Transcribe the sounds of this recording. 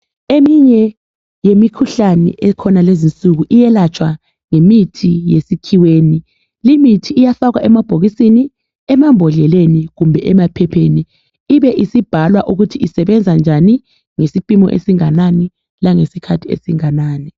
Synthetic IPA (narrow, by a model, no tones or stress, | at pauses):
emiɲɛ | jemikʰuɬanɛ̰ʔɛkʰɔnalezint͡sʼuɣuʔijɛlat͡ʃʰʼwa | ŋemitʰijesikʰiweːni | limitʰiːjasaɣwaʔɛmab̥ʱoɣisini | ɛmambʱɔɮɛleniɣumbʱɛʔɛmapʰɛpʰeniː | βɛʔisib̥ʱalwaʔuɣutʰiisɛβɛnd͡zʱand͡ʒʱani | ŋesipʼimɔ̰ʔḛsiŋanani | laŋesikʰatʰiḛsiŋanaːni